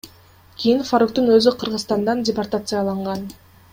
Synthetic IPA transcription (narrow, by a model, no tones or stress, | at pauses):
kʲʰijinfaɾok̚t̪ynø̞zyqʰɯ̆ɾʁɯzt̪ɑnd̪ɑndʲɪport̪at̪sɨjɑlˠɑɴʁɑn